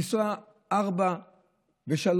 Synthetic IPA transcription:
isa | aʁba | veʃal

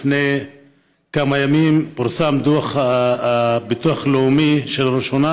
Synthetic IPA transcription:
fnej | kamajamimpaʁsamd̪uaχaabit̪uaχleumiʃelaʁiʃona

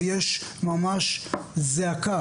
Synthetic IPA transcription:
jɛʃmamaʃzeaka

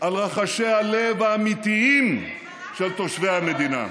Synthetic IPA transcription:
ʔalʁaχaʃe̞jhalevaːmit̪iim | ʃelt̪oʃvejhamed̪ina̰

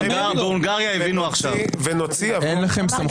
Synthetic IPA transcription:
ɡabulɡaʁjaevinuaχʃavvenot͡siaenlaχe̞msam

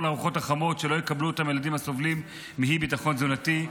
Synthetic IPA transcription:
laːʁuχo̞taχamo̞tʃelo̞jekabluot̪amjeladimhaso̞vlimː | iɦibitaχo̞nzunati

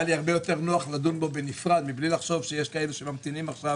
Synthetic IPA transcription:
aliaʁbejo̞t̪e̞ʁnoaχlad̪unbo̞benifʁad̪miblilaχʃo̞vʃejeʃkae̞luʃemamt̪inimaχʃav

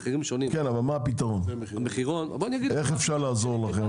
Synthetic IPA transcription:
χiʁimʃonimkenavalmaːpit̪aʁo̞n | ameχiʁon̰boaniaɡieχefʃaʁlaːzo̞ʁlaχem

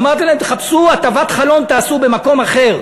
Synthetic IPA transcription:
amaʁt̪ilaemt̪eχapsuat̪avat̪χalo̞nt̪aːsube̞mako̞maχe̞ʁ

